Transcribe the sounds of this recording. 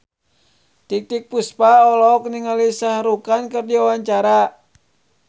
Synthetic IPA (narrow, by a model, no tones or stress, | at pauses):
t̪ik̚t̪ik̚puspaɔlɔk̚niŋalisahɾukankərdiwawaɲt͡ʃaɾa